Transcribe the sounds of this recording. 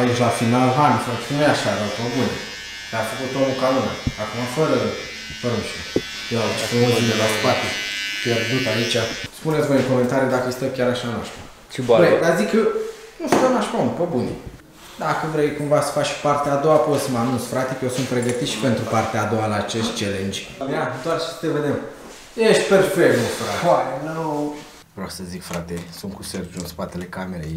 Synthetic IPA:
ait͡ʃʲlafinalɦanfosunejaʃad̪apəbunḭ | d̪afəkut̪omukauna̰ːkumafəɾə | fəɾunʃme | jeat͡ʃt̪əoinelaspat̪epʲjerd̪ut̪ait͡ʃaspunet̪ʲvojɨnkome̞nt̪aɾijud̪akəst̪əkʲjaɾaʃanaʃk̪u | suned̪azikə | nuʃunanaʃkaunpəbuni | d̪akəvɾe̞jkumvasə̥fat͡ʃʲpart̪eaːd̪o̞apot̪səmanunsfɾat̪ekəjewsunt̪̚pɾe̞ɡət̪it̪ʃi̥pe̞nt̪ɾupart̪eaːd̪o̞alaːt͡ʃeʃt̪̚ʲt͡ʃelend͡ʒjad̪oarʃi̥sə̥t̪eved̪em | jeʃt̪̚ʲperspenost̪uɾaaenəw | vɾoasəzikfɾat̪esunkusert̪ʒunspat̪elekameɾḛ

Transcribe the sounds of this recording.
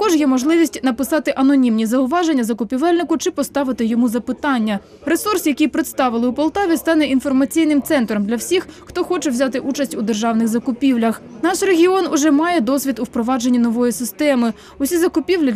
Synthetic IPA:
t̪ɐkɔʒjɛmɔʒlˠɪʋʲisʲtʲnɐpɪsɑt̪ɪʔɐnɔnʲimnʲizɐʊʋɑʒenʲːɐzɐkʊpʲiʋɛlʲnɪkʊt͡ʃɪpɔst̪ɑʋɪt̪ɪjɔmuzɐpɪt̪ɑnʲːɐ | ɾesursjɐkijpɾɪt̪st̪ɑʋɪlˠɪʊpɔlˠt̪ɑʋʲist̪ɑnɛʔinfɔrmɐt͡sʲijnɪmt̪sɛnt̪ɾɔmd̪lʲɐwsʲixxt̪ɔxɔt͡ʃɛwzʲat̪ɪʔut͡ʃɐsʲtʲʊd̪erʒɑwnɪɣzɐkʊpʲiwlʲɐxnɑʃreɦʲiɔnʊʒɛmɑjɛd̪ɔsʲʋʲid̪ʊwpɾɔʋɑd͡ʒenʲːinɔʋɔjisɪst̪ɛmɪ | ʊɔsʲizɐkʊpʲiwlʲi

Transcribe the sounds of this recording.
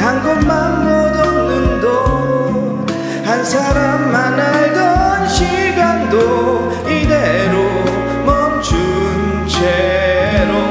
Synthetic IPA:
hanɡommanmod̪onɯŋdo | hansʰaɾamːanaɭdʌnɕi | ɡando | id̪eɾo | mʌmt͡ɕu | n | t͡ɕʰe | ɾo

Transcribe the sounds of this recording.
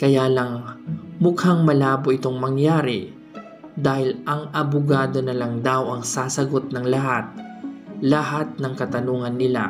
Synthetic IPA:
kɐjaːlɐŋmʊkhaŋmɐlaːboʔɪt̪o̞ŋmɐŋjaːɾɪ | d̪aːhɪlʔɐŋɐbʊɡaːd̪o̞nɐlɐŋd̪awʔɐŋsaːsɐɡo̞t̪̚nɐŋlɐɦat̪̚lɐɦat̪̚nɐŋkɐt̪ɐnuːŋɐnːɪla̰

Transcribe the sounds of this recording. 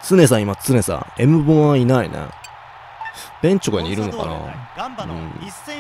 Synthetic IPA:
t͡sɨne̞s̬ãimat͡sɨne̞sã̰e̞mɯ̟bõainaḭnḛ | b̥ẽ̞ɲ̟t͡ɕokaɲʲiiɾɯ̟nokɑ̰na̰ɯ̰̃ː

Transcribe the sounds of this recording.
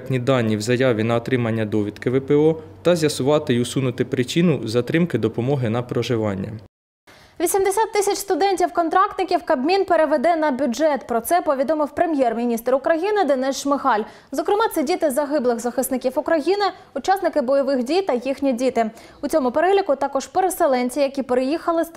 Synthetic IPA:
t̪ʲnʲid̪ɑnʲːiwzɐjɑʋʲinɐɔt̪ɾɪmɐnʲːɐd̪ɔʋʲid̪kɪʋɛpeɔt̪ɐzʲjɐsʊʋɑt̪ɪʊsunʊt̪ɪpɾɪt͡ʃinʊzɐt̪ɾɪmkɪd̪ɔpɔmɔɦɪnɐpɾɔʒɪʋɑnʲːɐ̰ | ʋʲisʲimd̪esʲat̪ːɪsʲɐt͡ʃʲst̪ʊd̪ɛnʲtʲiwkɔnt̪ɾɑk̚t̪nɪkʲiwkɐbmʲinpeɾeʋed̪ɛnɐbʲʊd͡ʒɛt̪pɾɔt̪sɛpɔʋʲid̪ɔmɪwpɾemʲjɛrmʲinʲist̪ʊkɾɐjinɪd̪enɛsʃmɪxɑlʲ | zɔkɾɪmɑt̪sɛdʲit̪ɪzɐɦɪblˠɪɣzɐxɪsnɪkʲiwʊkɾɐjinɪ | ʊt͡ʃɑsnɪkɪbɔjɔʋɪxdʲijt̪ɐjixnʲidʲit̪ɪ | ʊt͡sʲɔmʊpeɾɛlʲikʊt̪ɑkɔʒpeɾeselˠɛnʲt͡sʲijɐkʲipeɾejixɐlˠɪ

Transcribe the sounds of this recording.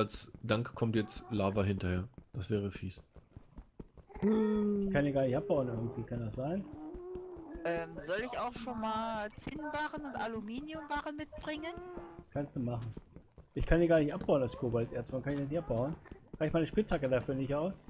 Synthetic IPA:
alsd̥aŋkkʰːɔmtjɛt͡stlaːvɐɦɪntɐheːɐd̥asv̥ɛːʁ̞əfiːs | ʔɪçkʰandiːɡaːɐnɪçtʔap̚b̥aʊənʔɪɐɡŋ̩tv̥iːkʰandasz̥aɪn | ʔɛːmzɔlɪçaʊxʃoːnmaːlt͡sɪnbaːʁənʊntʔalumiːnjʊmbaːʁənmɪt̚b̥ʁɪŋənkʰanstd̥uːmaχn̩ | ʔɪçkʰandiːɡaɐnɪçtʔap̚b̥aʊnalskʰoːbaltʔeːɐstvankʰanɪçdɪnɪçap̚b̥aʊənʁaɪçmaɪnəʃpɪt͡shakədafyːɐnɪçaʊs

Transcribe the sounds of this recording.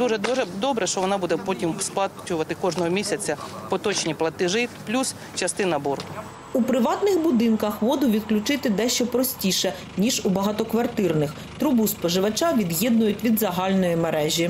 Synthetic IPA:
d̪uʒɛɛd̪ɔbɾɛʃt͡ʃɔʋɔnɑbud̪ɛpɔtʲimspˠɑt͡ʃʊʋɐt̪ɪkɔʒnɔɦɔmʲisʲɐt͡sʲɐpɔt̪ɔt͡ʃnʲiplˠɐt̪ɪʒɪplʲus | t͡ʃɐst̪ɪnɐburɦʊ | upɾɪʋɑt̪nɪxbʊd̪ɪnkɐxʋɔd̪ʊʋʲid̪klʲʊt͡ʃɪt̪ɪd̪ɛʃt͡ʃɛpɾɔsʲtʲiʃɛ | nʲiʒubɐɦɑt̪ɔkʋɐrt̪ɪrnɪx | t̪ɾʊbuspɔʒɪʋɐt͡ʃɑʋʲid̪jɛd̪nʊjʊtʲʋʲid̪zɐɦɑlʲnɔjimeɾɛʒʲi

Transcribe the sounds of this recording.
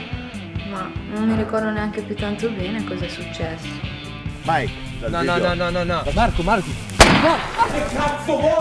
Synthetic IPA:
manomːiɾikɔrd̪oneaŋk̟epjut̪ːant̪obɛːnekɔzɛsut͡ʃːɛsːo̥ | majk̪ | anɔɔɔnɔnɔnɔmaɾkomaɾko | nɔa

